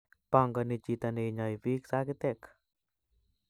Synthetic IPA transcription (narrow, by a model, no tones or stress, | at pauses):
paŋɡanit͡ʃit̪aneɲaiviksakit̪ɛk